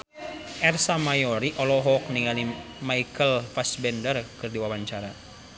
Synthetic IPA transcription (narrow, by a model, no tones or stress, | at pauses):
ʔɛrsamajɔɾiʔɔlɔɦɔk̚niŋalimaikəlfasbɛndərkɨrdiwawaɲt͡ʃaɾa